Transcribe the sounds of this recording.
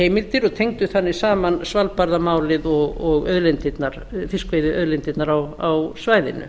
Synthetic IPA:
heːjmɪlt̪ɪɾɔɣt̪ʰejŋt̪ʏθanːɪ̥saːmansvalpaɾðamaːwlɪðɔɣɔɣœðlent̪ɪt̪naɾ̥fɪskvejðɪœðlent̪ɪt̪naɾawawsvaːjðɪ̰nʏ̰

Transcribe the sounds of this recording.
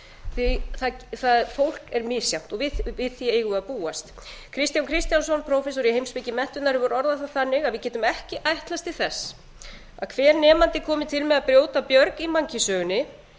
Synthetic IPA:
θiθaθaðfowl̥kɛɾmɪsjaw̥t̪ɔɣvɪvɪðθjɛejɣʏaðpuːast̪ | kʰɾɪst̪jaŋkʰɾɪst̪jansɔnpʰɾowfɛsɔɾihejmspɪcɪmɛn̥t̪ʏt̪naɾɪvɔɾɔɾðaθaθanːɪɣaðvɪðcɛːt̪ʏmɛhcɪʔajht̪last̪ʰɪlθɛsː | a̰ðkʰvɛːɾnɛːmant̪ɪkʰɔːmɪt̪ʰɪlmɛðaðpɾjoːwt̪apjœɾkimaɲcɪsœːɣʏnːɪ

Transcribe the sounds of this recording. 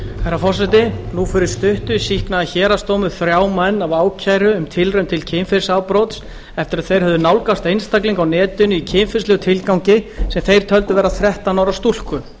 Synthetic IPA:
fajɾafɔ̥sɛt̪ɪnufʏɾʏɾst̪ʏht̪ʏsihknaðaçɛːɾast̪owmʏθɾjaːwmɛnːavaːwcʰajɾʏːmt̪ʰɪlrʏɥmt̪ʰɪlcʰemfɪɾsaːwpɾɔt̪s | ɛft̪ɪɾaðθejɾ̥hœvðʏnawlkast̪ejnst̪akliŋkawnɛːt̪ʏnʏicʰɪmfɪslɛɣʏt̪ʰɪlkawɲcɪsɛmθejɾ̥t̪ʰœlt̪ʏvɛːɾaθɾɛht̪anawɾast̪ul̥kʏ

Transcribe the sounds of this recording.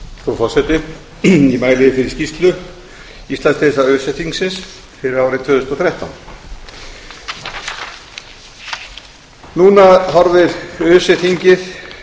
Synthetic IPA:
fɾɔfɔr̥sɛt̪ɪ | imaːjlɪðɪfɪɾɪɾscist̪lʏ | ist̪lanst̪ɪsaʏsɛθiŋksɪns | fɪɾɪɾaːwɾɪt̪ʰvʏːðʏst̪ɔθɾɛjht̪awn | nuːnaɦɔɾvɪɾœsɛθiɲcɪð

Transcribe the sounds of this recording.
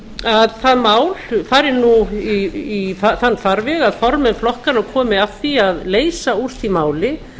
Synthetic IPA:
aðθaðmaːwlfaːɾɪnuiifaθanːfaɾvɛɣaðfɔɾmɛnflɔhkanakʰɔːmɪafθiaðleːjsauɾ̥θimaːwlɪ

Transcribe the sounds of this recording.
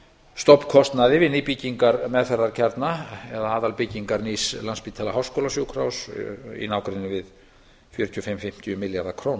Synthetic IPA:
st̪ɔpːkʰɔst̪naðɪvɪnɪpiciŋkaɾmɛðθɛrːaɾ̥cʰɛɾt̪naɛðaaːðalpɪcːiŋkaɾnislanspiːt̪ʰalaɦawskowlasjowkʰɾawsḭnaːwkɾɪnːɪvɪð | fjœɾʏt̪ʰjɔfɪmfɪm̥t̪ʰɪjʏmɪljaɾðakʰɾoːn

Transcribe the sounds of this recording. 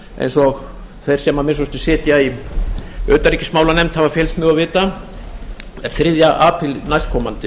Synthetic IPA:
ḛjnsɔɣ | θejɾ̥sɛmamɪs̬ɔst̪ɪsɪːt̪jai | œːt̪aɾiːcɪsmaːwlanɛmt̪havafjɛlst̪mjœːɣavɪːt̪a | ɛɾ̥θɾɪðjaʔaːpʰɪlnajst̪kʰɔːmant̪ɪ

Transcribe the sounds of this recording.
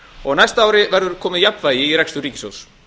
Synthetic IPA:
ɔɣnajst̪aaːwɾɪvɛɾðʏɾ̥kʰɔːmɪðjapnvaːjɪiɾɛkst̪ʏɾiːcɪso̰ːws

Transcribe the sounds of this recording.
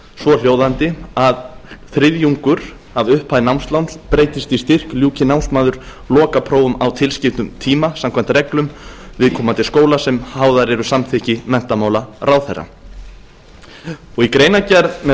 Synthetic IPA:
svɔl̥joːwðant̪ɪaðθɾɪðjuŋkʏɾ̥ | avʏhpʰaðɪnawmst̪lawnpɾeːjt̪ɪst̪ist̪ɪr̥kljuːcɪnawnsmaːðʏɾ̥ | lɔːkapʰɾoːwʏmawt̪ʰɪlscɪft̪ʏmt̪ʰiːmasam̥kʰan̥t̪rɾɛklʏmvɪðkʰɔːmant̪ʰɪskoːwlasɛmhaːwðaɾɛɾʏsamθɪhcɪmɛn̥t̪amawlarʔaːwθɛrːa̰ | ɔɣikɾeːjnacɛɾðmɛ

